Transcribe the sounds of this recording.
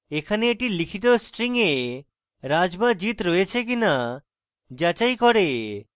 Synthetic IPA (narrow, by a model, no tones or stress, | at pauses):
ekʰaneːʈilikʰit̪̬osʈɾiŋe | ɾad͡ʒbad͡ʒit̪ɾɔet͡ʃʰek̬ina | d͡ʒat͡ʃajkɔɽe